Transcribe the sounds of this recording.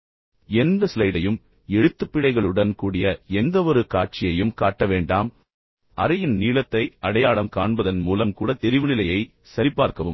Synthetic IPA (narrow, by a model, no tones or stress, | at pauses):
ɛnd̪ɐsɪlɐɪɽɐjɯm | ɛɻɯt̪ːɯpːɪɽɐɪɣɐɭɯɽɐnkuːɽɪjɐɛnd̪ɐʋɔɾɯkaːʈ̚t͡ʃɪjɐjɯmkaːʈːɐʋeːɳɖaːm | ʔɐɾɐjɪnniːlɐt̪ːɐɪɐɽɐjaːɭɐmkaːɳbɐðɐnmuːlɐmkuːɽɐt̪ɪɾɪʋɯnɪlɐjɐɪ | sɐɾɪpːaːɾkɐʋɯm